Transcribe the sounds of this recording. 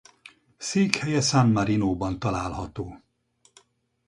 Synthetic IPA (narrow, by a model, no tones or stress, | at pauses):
seːkhɛjɛsanmɒɾinoːbɒnt̪ɒlaːlhɒt̪oː